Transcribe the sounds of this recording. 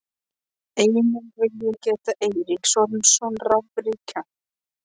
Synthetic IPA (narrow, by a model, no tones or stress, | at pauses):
eːjnʏnvɪljɛcɛːt̪aʔejɾiksɔɾmsɔnravpɾicʰa